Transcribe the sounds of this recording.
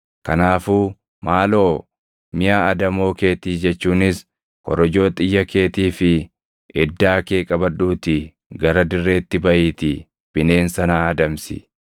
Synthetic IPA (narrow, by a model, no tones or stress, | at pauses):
kɐnaːfuː | maːlo̞ː | mɪjaːɐd̪ɐmo̞ːke̞ːt̪iːd͡ʒɛt͡ʃːuːnɪs | kɔ̰ɾɔd͡ʒo̞ːt̪ʼɪjːɐke̞ːt̪iːfɪ | ʔɛd̪ːaːke̞ːkʼɐbɐᶑuːt̪ɪ | ɡɐɾɐd̪ɪrːe̞ːt̪ːɪbɐʔiːt̪ɪ | b̥ɪne̞ːnsɐnaːɐd̪ɐmsɪ̰